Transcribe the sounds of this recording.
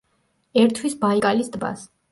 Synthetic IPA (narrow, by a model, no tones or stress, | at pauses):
ɛɾt̪ʰwisbaikʼalisd̪ba̰s